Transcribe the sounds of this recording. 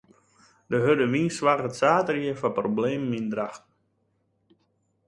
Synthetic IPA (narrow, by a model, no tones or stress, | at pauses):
dəɦødəʋinsʋarətsaːtərjiəfaprobleːməmindraxt